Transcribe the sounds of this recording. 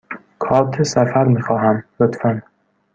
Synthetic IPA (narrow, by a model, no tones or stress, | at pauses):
kʰɒːt̪ʰesæfæɾmiːxɒːɦæmlot̪fæn